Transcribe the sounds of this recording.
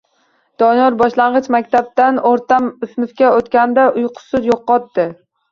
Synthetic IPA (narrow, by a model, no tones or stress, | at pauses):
d̪̥ɒnɒɾbɒʃlaɴʁɨt͡ʃmakʲt̪ʰab̚t̪anoɾt̪amɪsmɪfkʲaot̪kʲand̪aʔʊjqʰʊ̥sʊzjoqːɒt̪ːɪ